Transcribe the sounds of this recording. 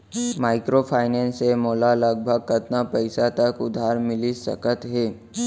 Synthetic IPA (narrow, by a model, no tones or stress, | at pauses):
maɪkɾopʰajnensemoːlaləɡ̚bʱəɡ̚kət̪napəjsat̪əkʊd̪ʱaɾmɪlisə̰kət̪ɦe